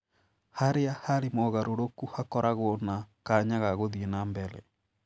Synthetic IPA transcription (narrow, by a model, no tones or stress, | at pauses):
haɾeahaɾemɔːɣaɾʔoɾokuhakɔɾʔaɣonakaɲaɣaɣoðienaːmbɛɾɛ̰